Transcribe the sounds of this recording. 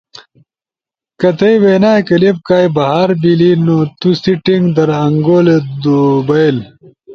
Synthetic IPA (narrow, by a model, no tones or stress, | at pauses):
kɐt̪ɐjweːnaːjkɐleb̚kaːjbɐɦaːɾbilinot̪usiʈiŋɡd̪ɐɾɐŋɡoːled̪ubɐjl